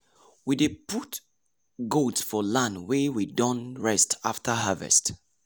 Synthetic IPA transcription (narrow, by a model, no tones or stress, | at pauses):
wideput | ɡotsfɔlãndwewidɔ̃nɹɛstʰaftʰəɦavɛ̰st